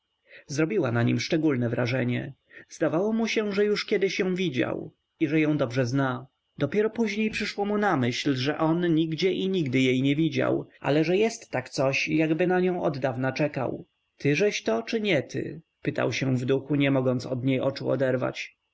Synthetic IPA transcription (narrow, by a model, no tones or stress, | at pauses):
zɾɔbʲiwanaɲḭmʂt͡ʂɛɡulnɛvɾaʐɛɲɛ | zd̪avawɔmuɕɛʐɛjuʂkʲjɛd̪ɘɕjɔ̃w̃vʲid͡ʑa̰w | iʐɛjɔ̃w̃d̪ɔbʐɛzna | d̪ɔpʲjɛɾɔpuʑɲejpʂɘʂwɔmunamɘɕlʐɛʔɔnɲiɡd͡ʑɛʔiɲiɡd̪ɘjejɲɛvʲid͡ʑa̰wʔa̰lɛʐɛjɛst̪ːakt̪sɔɕjaɡbɘnaɲɔ̃w̃ɔd̪ːavnat͡ʂɛka̰w | t̪ɘʐɛɕt̪ɔt͡ʂɘɲɛt̪ʰɘ̰ | pɘt̪a̰wɕɛ̃vd̪uxuɲɛmɔɡɔnt̪sɔd̪ɲejʔɔt͡ʂuɔ̰d̪ɛɾva̰t͡ɕ